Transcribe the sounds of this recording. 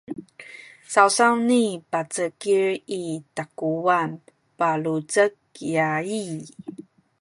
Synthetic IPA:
sawsawnipat͡səkiɹitakuwan | palut͡sək̚jai

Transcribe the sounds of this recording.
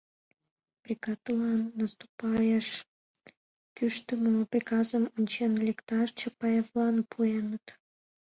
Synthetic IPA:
prʲikɑt̪lɑnːəst̪u̥pɑjəʃ | kyʃt̪əməprʲikɑzəmonʲt͡ɕenlʲekt̪ɑʃt͡ɕəpɑjevlɑnpʰuenət̪

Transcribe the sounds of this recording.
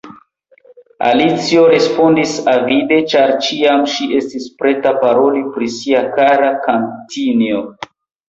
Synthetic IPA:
a̰lit͡sio̞ɾe̞spo̞ndisavide̞t͡ʃaɾt͡ʃiamʃie̞stispɾe̞tapaɾo̞lipɾisiakaɾakantinio

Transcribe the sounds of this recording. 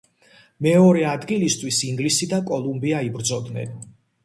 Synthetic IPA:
mɛɔɾɛad̪ɡilist̪ʰwisiŋɡlisid̪akʼɔlˠumbiaibɾd̪zɔd̪nɛ̰n

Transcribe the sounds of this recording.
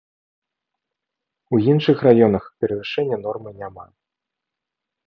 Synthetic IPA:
ujinʂɨxrajɔnɐxpʲɛɾɐvɨʂɛnʲːɐn̪ɔrmɨnʲama

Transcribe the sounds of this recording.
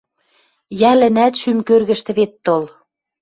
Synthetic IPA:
jælɘ̆næt̪ʃymkørɣɘ̆ʃt̪ɘ̆βet̪ːol

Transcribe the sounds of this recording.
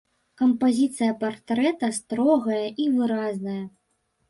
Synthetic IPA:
kɐmpazʲit̪sɨjɐpart̪ɾɛt̪ɐst̪ɾɔɣɐjɐʔivɨɾaznɐjɐ

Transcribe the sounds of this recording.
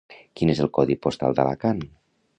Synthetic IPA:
kinezəlˠkɔðipost̪a̰lˠd̪ə̰la̰kan

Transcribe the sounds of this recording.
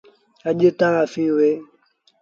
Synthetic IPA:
ad͡ʒetãŋafiwe

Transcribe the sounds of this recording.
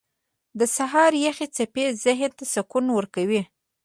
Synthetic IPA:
d̪əsaɦɑɾjaxet͡sapezɪɦnt̪asakunwəɾkawi

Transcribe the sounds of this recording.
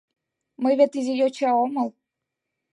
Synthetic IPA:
mɤjvʲet̪izʲijot͡ɕɑoməlˠ

